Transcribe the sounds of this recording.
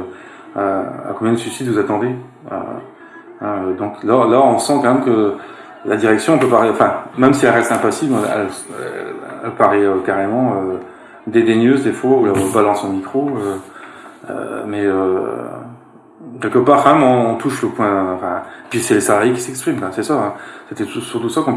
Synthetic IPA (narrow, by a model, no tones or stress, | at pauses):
a̰kɔ̃mbjɛ̃d̪əsysid̪vuzat̪ɑ̃d̪e | ø̰ | ød̪ɔ̃klɔlaɔ̃sɑ̃kɑ̃mɛmkə | lad̪iʁɛksjɔ̃pøpaʁɛɑ̃fɛ̃mɛmsiɛlʁɛst̪ɛ̃pasiblɛ̰l | ɛ̰lpaʁɛøkaʁemɑ̃ø | d̪ed̪eɲøzd̪efwaulaɔ̃balɑ̃sɔ̃mikχoø | ø̰mɛø | kʲɛlkəpaʁkɑ̃mɛmɔ̃ːt̪uʃləpwɛ̃ɑ̃fɛ̃pɥisɛlesalaʁjekʲi̥sɛkspχimkãɛ̃sɛsaɛ̃set̪ɛt̪usyʁt̪usakɔ̃